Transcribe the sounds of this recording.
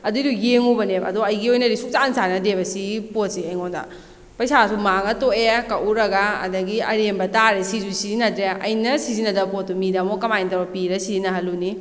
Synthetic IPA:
ɐdudujeŋubɐneɐ̰doɐjɡiojnɐɾisuk̚t͡ʃansanɐdebɐsipot̚siɐjŋondɐ̰ | pɐjsasumaŋɐtoekaʔuɾɐɡa̰ːdɐɡiɐɾembɐtaɾesizusizinɐtɾeɐ̰jnɐsizinɐdɐpot̚ːumidɐmokɐmajntawbɐpiɾɐsizinɐɦɐluni

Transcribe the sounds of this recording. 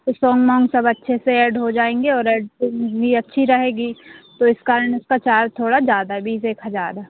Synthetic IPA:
t̪osɔːŋɡmãːŋɡsɐbɐtːʃʰeseeːɖɦod͡ʒaːẽːŋɡeɔːɾeːɖbʱiɐtːʃʰiɾɐɦeːɡit̪oɪskaːɾənɪskat͡ʃaːɾt̪ʰoːɽazjaːd̪aɦɛbiːseːkɦɐzaːɾɛː

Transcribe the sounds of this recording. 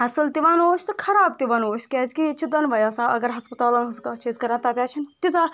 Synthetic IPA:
ɦɐsɨlt̪iʋanoːsʲt̪ɨkʰɐɾaːbt̪iʋaːnoːsʲkʲɛːzʲkit͡ʃʰud̪ɐnʋɐjaːsãːɐ̰ɡɐɾɦɐspɐt̪aːlɐ̃nskɐːt͡ʃʰizkɐɾãnt̪ɐt̪ʲjaːt͡ʃʰint̪it͡saː

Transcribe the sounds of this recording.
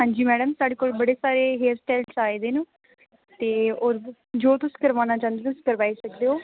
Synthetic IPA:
ɦãːɲd͡ʒiːmɛːɖəmsaːɖeːkoːlbəɽeːsaːɾeːɦeːɾsʈɛːlsaːeːd̪eːnũː | t̪eːoːɾ | d͡ʒoːt̪ʊsi̥ːkəɾʋãːnaːt͡ʃãːnd̪eːt̪ʊsi̥ːkəɾʋaːiːsəkd̪eːɦoː

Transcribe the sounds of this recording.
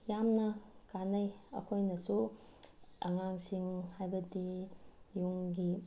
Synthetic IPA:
jamnɐkanɐjɐ̰kʰojnɐsu | ɐ̰ŋaŋsiŋhajbɐdijuŋɡi

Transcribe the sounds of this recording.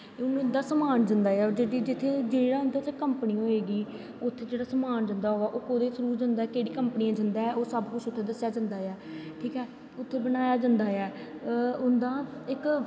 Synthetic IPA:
ʊnʊnd̪aːsəmaːnd͡ʒənd̪aːaːd͡ʒeːɽid͡ʒɪt̪ʰːeːd͡ʒeːɽaːʊnd̪aːt͡ʃekəmpənĩːooeːɡiː | ʊt̪ʰːeːd͡ʒeːɽaːsəmaːnd͡ʒə̃nd̪aːɦoːɡaːʔoːkod̪eːsəɾuːd͡ʒə̃nd̪aːkeːɽiːkəmpəniːãːd͡ʒənd̪aːɛːʔoːsəbkʊt͡ʃʰʊt̪ʰːeːd̪əsjaːd͡ʒə̃nd̪aːaːʈʰiːkɛː | ʊt̪ʰːeːbənaːjaːd͡ʒə̃nd̪aːɛː | ʊnd̪aːɪk

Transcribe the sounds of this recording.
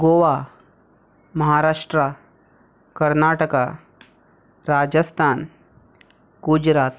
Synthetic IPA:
ɡoʋa | mɐɦaɾaʂʈɾa | kəɾnaʈəka | ɾad͡ʒəst̪ʰaːn | ɡ̥ud͡ʒɾaːt̪

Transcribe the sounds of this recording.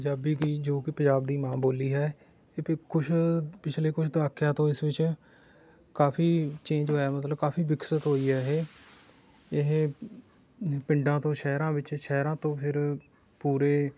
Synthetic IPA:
əd͡ʒaːbiːɡiːd͡ʒoːkɪpəd͡ʒaːb̚d̪iːmãːboːliːɦɛː | pkʊt͡ʃʰpɪt͡ʃʰleːkʊʃʰd̪ɪaːkʰjãːt̪õːɪsʋɪt͡ʃ | kaːpʰiːt͡ʃẽːd͡ʒɦoːaːmət̪ləbkaːpʰiːbɪksət̪ɦoːiːɛːɦeː | ɪɦẽ | pɪ̃ɳɖãːt̪õːʃɛːɾãːʋɪt͡ʃʃɛːɾãːt̪õːpʰɪɾ | puːɾeː

